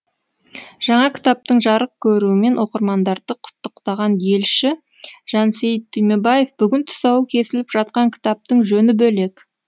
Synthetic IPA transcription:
ʒ̥ɑɴɑkʲɪ̥t̪ɑp̚t̪əɴʒɑɾəq̚kʲʰɵɾuɪme̞nwo̞qəɾmɑnd̪ɑɾd̪əqʰʊ̥t̪ːəqt̪ɑʁɑnje̞lʃɪ | ʒ̥ɑnsejt̪ʰːʏjme̞baje̞fb̥ʏɡʲɪnt̪ʰʊ̥sɑwəkʲʰe̞sɪlɪpʒɑt̪̚qɑŋkʲʰɪ̥t̪ɑp̚t̪əɴʒɵnɪbɵle̞k

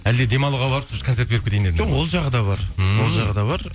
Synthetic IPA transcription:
æld̪ed̪e̞mɑlˠuʁɑbɑɾəpskʰont̪e̞ɾt̪beɾp̚kʲʰet̪ejneʒoqwolˠʒɑʁəd̪ɑbɑɾwo̞lˠʒɑʁəd̪ɑbɑɾ

